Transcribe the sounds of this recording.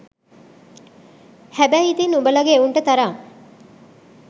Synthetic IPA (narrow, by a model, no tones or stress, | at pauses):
hæbæit̪inumbəlɐɡeːuɳʈət̪aɾaŋ